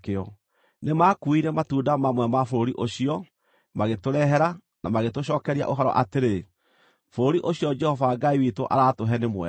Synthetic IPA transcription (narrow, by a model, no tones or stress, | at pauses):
keɔ | nemakuiɾɛmatuːdamamwɛmafoɾoɾiʔoɕiɔ | maɣetoɾɛɦɛɾa | namaɣetoɕ̬ɔːkɛɾia̰ʔoɦaɾɔ̰ʔateɾe | foɾoɾiʔoɕiɔd͡ʒɛhɔvaɡaiwitoʔa̰ɾatoɦɛnemwɛ̰